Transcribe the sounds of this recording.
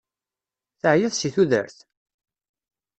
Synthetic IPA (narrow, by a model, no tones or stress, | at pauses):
θəʕjæðsiθuðə̰ɾθ